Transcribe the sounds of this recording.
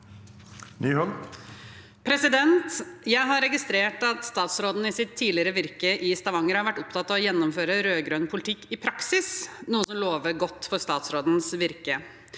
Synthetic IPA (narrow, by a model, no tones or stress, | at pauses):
nyːɦɔl | pʰɾɛsɪd̪ɛnt̪jæɪɦɑɾːɛɡɪst̪ɾeːʈɑt̪st̪ɑːt̪sɾoːd̪n̩ɪsɪt̪ʰːiːlɪəɾəʋɪɾkəʔɪst̪ɑʋɑŋːəɾhɑɾʋæʈːɔpt̪ʰɑt̪ːɑʋɔjɛnːɔmføːɾəɾøːɡɾœnpʰʊlɪt̪ʰɪkːɪpʰɾɑksɪsnuːəsɔmloːʋəɡɔt̪ːfɔst̪ɑːt̪sɾoːd̪n̩sʋɪɾkə